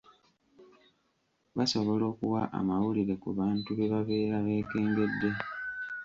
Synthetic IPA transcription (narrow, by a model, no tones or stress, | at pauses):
βaso̞βo̞lo̞ːkuwa̰ʔa̰mawuliɾe̞kuβaːntuβe̞βaβe̞ːɾaβe̞ːke̞ːŋɡe̞dːe̞